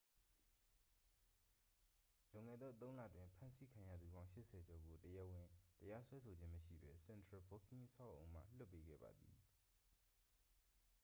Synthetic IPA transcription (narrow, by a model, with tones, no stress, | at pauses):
lʊ̃˨ŋɛ̰˦˨d̪ðɔ̰˦˨t̪̬õ˦ʊ̃lä̰˦˨dwɪ̃˨mpʰã˦nsi˦kʰã˨jä̰˦˨d̪ðu˨bã˦ʊ̃ʃɪ˦ʔsʰɛ˨d͡ʑɔ˨ɡo˨təjɛ˦ʔwɪ̃˨təja˦swɛ˦sʰo˨d͡ʑɪ̃˦məʃḭ˦˨bɛ˦sɛ̃˨ndɹa˨bo˦kʰĩ˦ʔəsʰa̰˦˨ʔõ̰˨ʊ̃m̥a̰˦˨l̥ʊ˦pːe˦ɡɛ̰˦˨ba̰˨d̪ḭ˨